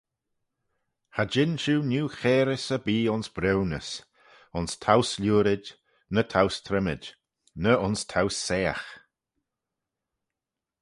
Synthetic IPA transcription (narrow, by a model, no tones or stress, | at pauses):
had͡ʒɪnʃuːnuːxɛːɾɪsəbiːʊnsbɾɛwnəs | ʊnstʰawslʲuːɾɪd | nətʰawst̪ʰɾɛmɪ̰d | nəʊnstʰawsːɛːa̰x